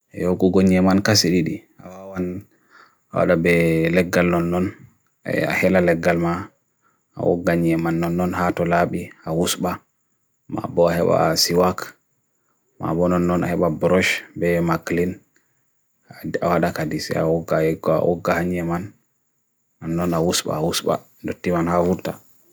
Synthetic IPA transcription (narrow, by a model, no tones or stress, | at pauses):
ɛjoɡuɡoɲɛmankasiɗiɗi | awawan | awa̰ɗabɛlɛɡːalnɔnːɔn̰ | a̰hɛlalɛɡːalma | a̰ʔɔ̰ɡːaɲɛmanːɔnːɔnhatɔlaɓiawusba | ma̰bɔahɛ̰ɓa̰siwak | ma̰bɔnɔnːɔna̰hɛɓabɾɔʃbɛmaklin | a̰waɗakadisɛ̰awɔɡaɛɡ̰wɔ̰ɡːahaɲɛmanː | ɔnːɔnawusɓa̰awusɓa̰ | dotːimanhafuɾta